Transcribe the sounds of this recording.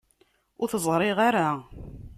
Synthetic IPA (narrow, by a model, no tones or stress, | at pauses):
ʊɾθəzˤɾˤɪʁaɾa